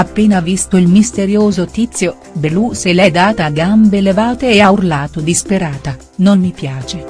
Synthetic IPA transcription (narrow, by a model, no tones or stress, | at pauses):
apːeːnavist̪oilmist̪eɾjoːzot̪it̪sːjo | beluselɛd̪aːt̪aɡambelevaːt̪eːaurlaːt̪od̪ispeɾaːt̪a | nonːipjaːt͡ʃe